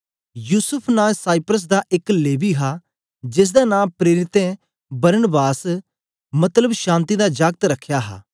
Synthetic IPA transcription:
juːsəpʰnaːsaːipɾəs̬d̪aːʔɪkleːbiːɦaː | d͡ʒɪs̬d̪aːnãːpɾeːɾɪt̪ɛ̃ː | bəɾənbaːs | mət̪ləbʃãːnt̪iːd̪aːd͡ʒaːɡ̚t̪ɾəkʰːjaːɦa̰ː

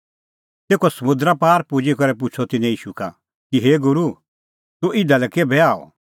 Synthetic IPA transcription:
t̪eːkosɐmʊ̃d̪ɾapaːɾpud͡ʒikɐɾɛpʊt͡ʃʰɔt̪ɪnɛ̃jiːʃuka̰ | kiɦeːɡʊɾu | t̪ũʔɪd̪alɛkeːbɛaːɔ̰

